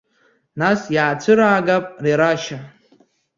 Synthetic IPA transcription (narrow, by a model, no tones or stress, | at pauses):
nasjaːt͡sʷʰɨɾaːɡapʼriɾaʃa